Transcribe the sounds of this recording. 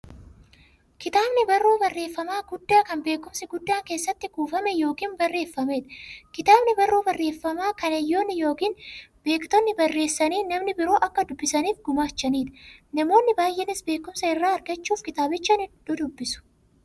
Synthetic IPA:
kɪt̪aːbnɪbɐrːoːbɐrːe̞ːfːɐmaːɡʊd̪ːaːkɐmbe̞ːkːʊmsɪɡʊd̪ːaːŋke̞ːsːɐt̪ːɪɡuːfɐmɛjo̞ːkiːnbɐrːe̞ːfːɐmeːd̪ɐkɪt̪aːbnɪbɐrːoːbɐrːe̞ːfːɐmaːkɐnɐjːo̞ːnːɪjo̞ːkiːnbe̞ːkt̪ɔnːɪbɐrːe̞ːsːɐniːnɐmnɪbɪɾo̞ːʔɐkːɐd̪ʊbːɪsɐniːfɡʊmaːt͡ʃːɐniːd̪ɐ̥nɐmo̞ːnːɪbaːjʔːɛnɪsbe̞ːkːʊmsɐɪrːaːɐɾɡɐt͡ʃːuːfkɪt̪aːbɪt͡ʃːɐnɪd̪̥ud̪ʊbːɪsʊ̥

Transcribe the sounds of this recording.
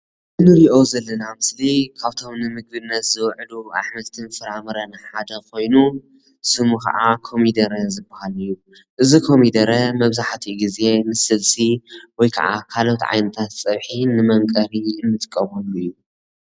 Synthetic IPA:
ʔɨnɨɾiʔo̞zɐlːɐnamɨslikʰaβt̪ʰo̞mnɨmɨɡ̚bɨnːɐt̪zɨwʕlua̰ħmɐt̪ʰɨnfɨɾamɐɾɐnaħad̪ɐkʰo̞jnu | sɨmuxɐ̰ʔakʰo̞mid̪ɐɾɐzɨbːɐhalɨjːu | ʔɨzikʰo̞mid̪ɐɾɐmɐβzaħt̪ʰiɡize̞nɨsɨlsiwɔjkʰɐ̰ʔa̰kʰalo̞t̪ʕa̰jnɐt̪ʰat̪sʼɐβħinɨmɐmkʼɐɾiɨnːɨt̪ʼkʼːɐβɐluɨjːu

